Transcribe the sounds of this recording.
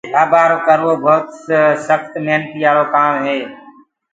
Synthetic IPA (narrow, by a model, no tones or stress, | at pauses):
aːbaːɾoːkəɾʋoːbʱoːt̪ssəxt̪meːnt̪iːaːloːkaːmɦeː